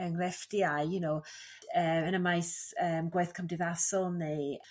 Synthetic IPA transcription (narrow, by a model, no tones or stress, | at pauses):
əŋrɛfdiajjunow | əːənəmajsəːmɡwajθkʰəmdɪvasɔlˠne